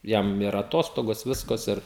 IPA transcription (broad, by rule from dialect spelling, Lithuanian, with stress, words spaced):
ˈjɛm ɪr ɐˈtoːstoːɡoːs ˈʋʲɪskɐs ɪr